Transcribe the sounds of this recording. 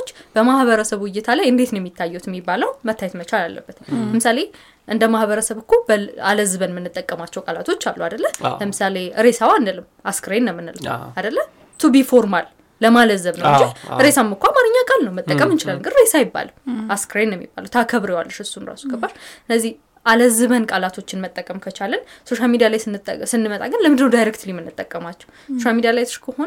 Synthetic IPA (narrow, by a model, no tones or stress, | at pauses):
t͡ʃːb̥əmahβəɾəsəβwɪjːɪt̪ʰalajɨnd̪e̞t̪njɛmːit̪ʰːajːɛwt̪jɛmːibːaləwmət̪ʰːajɛt̪mət͡ʃalalːə̰bːət̪ləmɨsale̞ | ʔɨnd̪əmahβəɾəsəβɨkʰːubəaləzɨβənmɨnːɨt̪ʼːəkʼːəmat͡ʃːɛwkʼalat̪ʰo̞t͡ʃːalːuad̪əlːələmɨsale̞ɨɾesawand̪ələmaskɾajnːəmːɨnɨlad̪əlːə | t̪ʰubifoɾmalː | əmaləzːəβnəwwnd͡ʒɪlɨɾesamːɨkʰʷamanɨɲːakʼalnəwmət̪ʼəkʼəmɨnt͡ʃɪlalɨŋɡɨɾɾesajɪbːa̰laskɾajnjɛmːḭbːa̰ləwt̪ʰakʰəβɾejwa̰lːəʃɨsːunɾa̰sukʰəbːaʃɨnːəzːih | ʔaləzɨβənkʼalat̪ʰo̞t͡ʃːɪnmət̪ʼːəkʼːəmkʰət͡ʃalənso̞ʃalmid̪ijalajsɨnːɨmət̪ʼa̰ɡənləmɨnd̪ɨnəwd̪ajɾek̚t̪ʰlimɨnːɨt̪ʼːəkʼːəmat͡ʃːɛwsoʃalmid̪ijalajt̪ʰʊ̥ʃkʰəhon